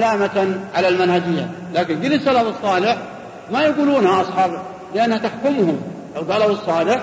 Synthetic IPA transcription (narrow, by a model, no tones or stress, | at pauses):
laːmat̪ʕalalmanhad͡ʒɪjːa̰ | laːkɪnɡɪlːɪsalafɨsˤːɑːlɪħ | majaɡuːluːnhaʔɑsˤħɑːb | lɪʔanːhat̪aħkʊmhʊmlawɡaːlabɨsˤːɑːlɪħ